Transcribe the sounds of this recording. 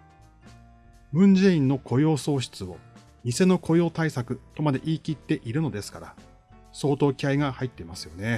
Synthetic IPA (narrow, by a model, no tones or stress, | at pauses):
bɯ̟̃ɲ̟d͡ʑeĩnːo̞kʰo̞jo̞ːso̞ːɕi̥t͡sɨo̞̰ | mʲise̞no̞kʰo̞jo̞ːt̪aisakɯ̟t̪o̞mad̪e̞ʔiːkʲit̪ːe̞ʔiɾɯ̟no̞d̪e̞sɨ̥kaɾa̰ | so̞ːt̪o̞ːkʲiaiɡahait̪ːe̞imasɨjo̞ne̞